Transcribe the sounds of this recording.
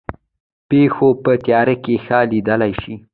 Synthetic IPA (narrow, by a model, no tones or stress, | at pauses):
pexopət̪jɑɾekexalid̪əlajʃi